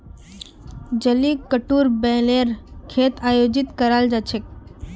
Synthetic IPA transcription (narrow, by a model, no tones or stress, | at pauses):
d͡ʒəlikəʈuːɾbɛ̃ːleɾkʰeːt̪aːjoːd͡ʒɪt̪kəɾald͡ʒat͡ʃʰek̚